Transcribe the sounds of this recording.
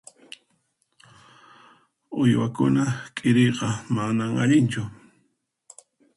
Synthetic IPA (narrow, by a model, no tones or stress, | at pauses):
ojwakʊnakʼɪɾejqɑmanaŋa̰ʎɪnt͡ʃʊ